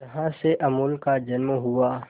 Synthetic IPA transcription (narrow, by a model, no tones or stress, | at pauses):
ɐɦãseʔɐmulkad͡ʒɐnmɦuaː